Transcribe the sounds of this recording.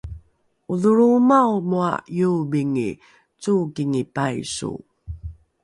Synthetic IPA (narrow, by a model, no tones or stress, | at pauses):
uðuɾumawmua̰jubiŋḭ | t͡sukiŋipajsṵ